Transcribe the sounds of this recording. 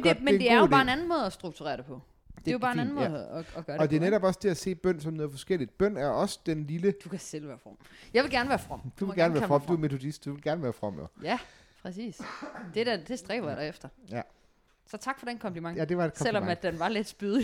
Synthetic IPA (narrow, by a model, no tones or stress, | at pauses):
mede̝æɐjobɑ̈ːe̝nænn̩mɔ̽ːð̞̩ˠɒsd̥ʁuɡ̥̚t͡sʰuʁɛ̰ːɐdɾepʰɒ̽ | d̥e̝jo̝bɑ̈ːenænn̩mɔ̽ːð̩ˠɒɒɡ̥ɶɐdeɒd̥e̝neɾɒb̥ɒ̽sd̥e̝æse̝̰ːb̥œn̰sɒ̽mnɔːð̩ˠfɒ̽sɡ̥el̰id̥̚b̥œn̰æɐɒ̽sə̥d̥enliləd̥ukʰæsel̰ʋæːɐfʁɒ̽m̰jɑʋe̝lɡæɐnəʋæːɐfʁɒ̽m̰d̥uʋeɡæɐnʋæɐɐfʁɒmd̥ume̝t͡sʰo̝d̥isd̥d̥uʋelɡ̥æɐnəʋæːɐfʁɒ̽m̰jo̰jæ | pʰʁɛsḭːsd̥e̝d̥æd̥e̝sd̥ʁɛ̰ːb̥ɐjɑɾ̥ɑefd̥ɐjæ | sɒ̽t͡sʰɑ̈ɡ̥fɒ̽d̥enkʰɒ̽m̰d̥imɑ̈ŋdeɑ̥sel̰ɒmæd̥ːenʋɑ̈led̥sb̥yðˠ